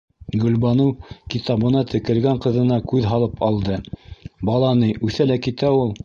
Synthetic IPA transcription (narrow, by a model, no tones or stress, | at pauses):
ɡɵ̆lbɑnɤwkit̪ɑβɤ̆nɑt̪ʰɘ̆kɘ̆lɡæɴqɤ̆ðɤ̆nɑkʉðɦɑlˠɤpɑlˠd̪ɤbɑlˠɑnɤjʔʉθælækit̪æulˠ